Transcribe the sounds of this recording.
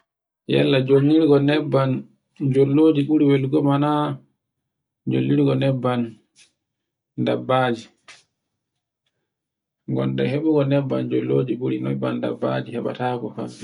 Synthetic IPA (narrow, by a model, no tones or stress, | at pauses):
jɛlːad͡ʒoŋːiɾɡɔnɛbːan | d͡ʒolːoːd͡ʒiɓuɾiwɛlɡɔmana | d͡ʒo̰lːiɾɡɔnɛbːan | dabːaːd͡ʒi | ŋɡɔ̰ndɛɦeɓuɡɔnɛbːand͡ʒolːoːd͡ʒiɓuɾinɛbːanda̰bːad͡ʒihɛɓa̰taːkɔka̰